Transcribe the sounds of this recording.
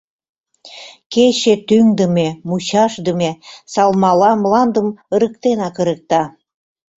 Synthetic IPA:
keɕet̪yŋd̪əmemuɕɑʃd̪əmesɑlmɑlɑmlɑnd̪əmə̆ɾə̆k̚t̪enɑkə̆ɾək̚t̪ɑ

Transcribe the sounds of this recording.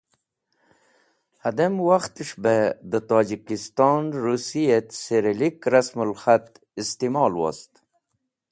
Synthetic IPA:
ad̪amwaxt̪iʂbed̪ət̪ɑːd͡ʒikist̪ɑnɾusijet̪seɾelikɾasmulxat̪ | ist̪imɑːlwa̰st̪

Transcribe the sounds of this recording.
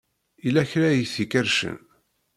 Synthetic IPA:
ilæçɾæjiθikəɾʃə̰n

